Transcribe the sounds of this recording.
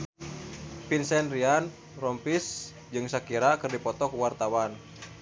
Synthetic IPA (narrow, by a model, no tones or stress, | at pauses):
pinsɛnrian | rɔmpis | d͡ʒɨŋsakiɾakɨrdipɔt̪ɔkuwart̪awan